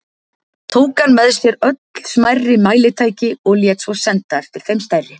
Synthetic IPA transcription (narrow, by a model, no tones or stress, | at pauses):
t̪ʰoːwkanmɛðʏsjɛɾœt̪ll̥smajrːɪmaːjlɪt̪ʰaːjcɪɔɣljɛt̪svɔsɛnt̪aɛft̪ɪɾ̥fejmst̪ɛrːɪ